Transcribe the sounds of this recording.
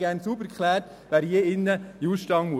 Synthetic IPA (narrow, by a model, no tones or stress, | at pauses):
ɡ̥æːɾnsubəɾkχlæːt | ʋæːɾjeɪnːəjuːʃtɑŋmu